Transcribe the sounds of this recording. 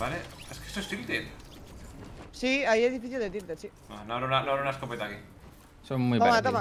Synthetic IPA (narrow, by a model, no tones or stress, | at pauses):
baleeskesosimt̪et | siajeðifiθild̪et̪iɾt̪esi | anaɾonanaɾonaskopet̪aki | sonmujp̪aamat̪ama